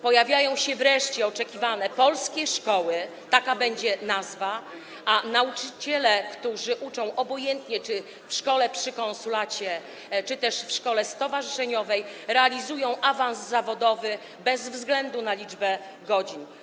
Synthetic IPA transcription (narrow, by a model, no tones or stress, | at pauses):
pɔjavʲjajɔ̃w̃ɕɛvɾɛʂt͡ɕɛɔt͡ʂɛkʲivanɛpɔlskʲɛʂkɔwɘ | t̪akabɛɲd͡ʑɛnazva | anaut͡ʂɘt͡ɕɛlɛkt̪uʐɘʔut͡ʂɔ̃w̃ʔɔbɔjɛnt̪ɲɛt͡ʂɘ | fʂkɔlɛpʂɘkɔnsulat͡ɕɛ | t͡ʂɘt̪ɛʂfʂkɔlɛst̪ɔvaʐɘʂɛɲɔvɛjɾɛalʲizujɔ̃w̃ʔavañsːavɔd̪ɔvɘ | bɛzvzɡlɛnd̪unalʲid͡ʐbɛ | ɡɔd͡ʑin